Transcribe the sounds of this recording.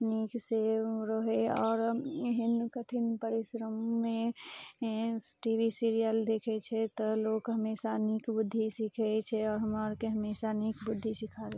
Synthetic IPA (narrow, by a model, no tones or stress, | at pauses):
nikseɾəɦeɔːɾeɦinkəʈʰinpəɾisɾəmːe | ʈibʱisiɾijəld̪ekʰɛt͡ʃʰɛt̪ɔlokɦəmesanikbʊd̪ʱːisikʰɛt͡ʃʰɛɔːɾɦəməɾkeɦəmesanikbʊd̪ʱːisikʰaɾe